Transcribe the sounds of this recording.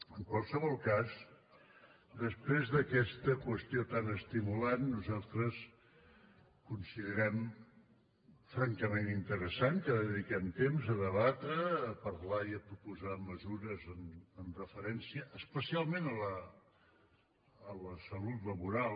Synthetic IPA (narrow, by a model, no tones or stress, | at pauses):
əŋkwalˠsəβɔlˠkaz | d̪əspɾezðəkɛst̪əkwəst̪iot̪anəst̪imulanːuzalˠt̪ɾəs | kunsiðəɾɛm | fɾaŋkəmenint̪əɾəsankəðəðikɛmt̪emzəðəβat̪ɾəːpəɾlaiəpɾupuzaməzuɾəzənənrəfəɾɛnsiəʔːspəsialˠmenələ | ləsəlut̪ləβuɾal